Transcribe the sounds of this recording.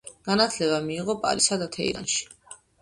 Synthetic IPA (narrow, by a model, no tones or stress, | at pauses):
ɡ̥anat̪ʰlɛβamiːʁɔpʼa̰ɾisad̪at̪ʰɛ̰ḭɾa̰nʃi̥